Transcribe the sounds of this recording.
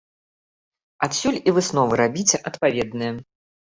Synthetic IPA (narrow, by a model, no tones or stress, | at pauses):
at̪sʲulʲivɨsnɔvɨɾabʲit͡sʲɛʔɐt̪pavʲɛd̪nɨjɐ